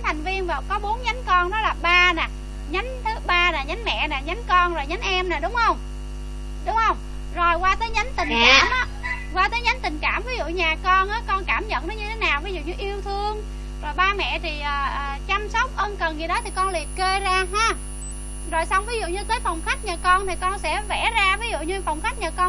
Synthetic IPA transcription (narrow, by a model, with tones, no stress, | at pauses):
t̪ʰa˨˩jŋ̟vi˧ənvaː˨˩kɔ˨˦ɓo˨˦ənɲa˨˦jŋ̟kɔ˧nɗɔ˨˦laː˨˩ɓaː˧naː˨˩ | ɲa˨˦ŋ̟t̪ʰɨ˨˦ɓaː˧naː˨˩ɲa˨˦n̟mɛ̰˧˨naː˨˩ɲa˨˦ŋ̟kɔ˧nzo˨˩jɲa˨˦ŋʔɛ˧mnaː˨˩ɗʊ˨˦ŋ͡mhə˧wŋ͡m | ɗʊ˨˦ŋ͡mhə˧wŋ͡m | zo˨˩jkwaː˧t̪əː˨˦jɲa˨˦jŋ̟t̪ï˨˩ŋ̟kkaː˧˩mʔaː˨˦ | kwaː˧t̪əː˨˦jɲa˨˦jŋ̟t̪ï˨˩ŋ̟kaː˧˩mvi˨˦zṵ˧˨ɲaː˨˩kɔ˧nʔaː˨˦kɔ˧nkaː˧˩mɲə̰˧˨nɔ˨˦ɲɨ˧t̪ʰe˨˦naː˨˩wvi˨˦zṵ˧˨ɲɨ˧ʔi˧əwt̪ʰɨ˧əŋ | zo˨˩jɓaː˧mɛ̰˧˨t̪ʰi˨˩ʔəː˨˩ʔːt͡ɕa˧msa˦˥wk͡p̚ʔə˧nkə˨˩nɣi˨˩ɗɔ˨˦t̪ʰi˨˩kɔ˧nli˨˩əp̚ke˧zaː˧ɦaː˧˩ | zo˨˩jsa˧wŋ͡mvi˨˦zṵ˧˨ɲɨ˧t̪əː˨˦jfa˨˩wŋ͡mxa˦˥jk̟̚ɲa˨˩kɔ˧nt̪ʰi˨˩kɔ˧nsɛ̰˧˥vɛ˧˩˥zaː˧vi˨˦zṵ˧˨ɲɨ˧fa˨˩wŋ͡mxa˦˥jk̟̚ɲaː˨˩kɔ˧n